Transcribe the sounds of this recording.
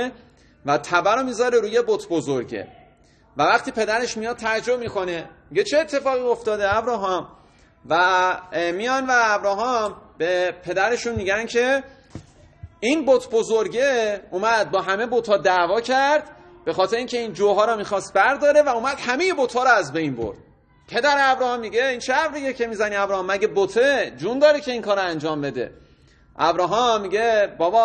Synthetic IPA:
væt̪ʰæbæɾɔmiːzɒːɾeɾuːje̞bot̪ʰbozoɾɟḛ | vævæχt̪ʰiːpʰe̞d̪æɾe̞ʃmijɒːd̪̥̚t̪ʰæd͡ʒo̞bmiːkʰo̞ne̞miɟe̞t͡ʃʰe̞ːt̪ʰːe̞fɒːɣiːo̞ft̪ɒːd̪eæbɾɒːɦɒːm | væ | mijɒːnvæːbɾɒːɦɒmb̥epʰe̞d̪æɾe̞ʃunmiːɟæncʰe̞ | inbot̪ʰbozoɾɟeuːmæd̪̚bɒːɦæme̞bot̪ʰhɒːd̪ævɒːcʰæɾd̪̥ | b̥e̞xɒːt̪ʰe̞ɾeiŋcʰe̞ind͡ʒoːɦɒːɾɒmiːxɒst̪̚bæɾd̪ɒːɾevæuːmæd̪̥hæme̞jebot̪ʰhɒːɾɔæzbe̞jnbo̰ɾd̪̥ | pʰe̞d̪æɾeæbɾɒːhɒmːiɟeinʃʰæævɾijecʰe̞miːzæniæbɾɒhɒːmːæɟebot̪ʰed͡ʒund̪ɒːɾecʲʰe̞iːnkʰɒːɾɔænd͡ʒɒːmbe̞d̪e̞̰ | ʔæbɾɒːɦɒmːiɟe̞bɒːbɒː

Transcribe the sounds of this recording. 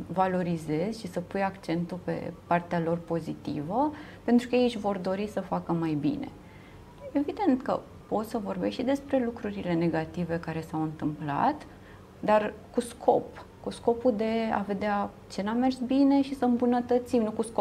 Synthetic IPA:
valo̞ɾize̞zʲʃisəpujakt͡ʃe̞nt̪upe̞̰part̪ealo̞rpo̞zit̪ḭvəpe̞nt̪ɾukəjeʃʲvo̞rd̪o̞ɾisəfakəmajbḭne̞̰ | e̞vid̪e̞nt̪kə̰ | po̞t̪səvo̞rbeʃid̪e̞spɾe̞lukɾuɾile̞ne̞ɡat̪ive̞kaɾe̞sawɨnt̪ɨmpla̰t̪ | d̪arkuskʰo̞p | kusko̞pud̪e̞a̰ve̞d̪ea | t͡ʃe̞name̞rsbine̞ʃisəɨmbunət̪ət̪simnukusko

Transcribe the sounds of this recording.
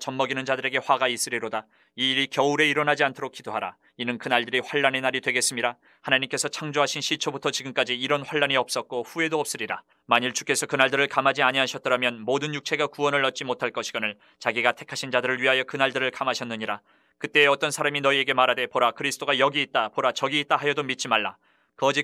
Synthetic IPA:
t͡ɕʌnmʌɡinɯnd͡ʑadɯɾe̞ɡe̞ɸwaɡais͈ɯɾiɾoda | iːɾikjʌuɾe̞iɾʌnɦad͡ʑiantʰoɾok͈idoɦaɾa̰ | inɯnkɯnaɭdɯɾiɸwaɭːane̞naɾidwe̞ɡe̞s͈ɯmɲiɾa | hanaɲimk͈e̞sʰʌt͡ɕʰaŋd͡ʑoɦaɕʰinɕʰit͡ɕʰʌbutʰʌt͡ɕiɡɯmk͈ad͡ʑiːɾʌnɸwaɭːaniʌp̚s͈ʌk̚k͈oɸue̞doʌp̚s͈ɯɾiɾa | maɲiɭt͡ɕu̥k͈e̞sʰʌkɯnaɭdɯɾɯɭkamɦad͡ʑiaɲiɦaɕʰʌt̚t͈ʌɾamjʌnmodɯnjuk̚t͡ɕʰe̞ɡakuʌnɯɭːʌt̚t͡ɕ͈imotʰaɭk͈ʌɕʰiɡ̥ʌnɯɭ | t͡ɕaɡiɡatʰe̞kʰaɕʰind͡ʑadɯɾɯɭɥiɦajʌkɯnaɭdɯɾɯɭkamɦaɕʰʌnːɯɲiɾa | kɯt͈e̞ːʌt͈ʌnsʰaɾaminʌie̞ɡe̞maɾade̞poɾakɯɾisʰt͈oɡajʌɡiːt̚t͈apoɾat͡ɕʌɡiːt̚t͈aɦajʌdomit͡ɕ͈imaɭːa̰ | kʌd͡ʑi

